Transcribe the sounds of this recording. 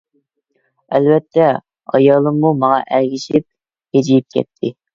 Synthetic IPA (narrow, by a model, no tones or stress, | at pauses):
ɛlvɛt̪ʰːɛ | ɑ̰jɑːlˠɨmːumɑŋɑ̰ʔæɾɡʲiʃip̚ | hed͡ʒijip̚kʲʰɛ̰t̪ʰːɪ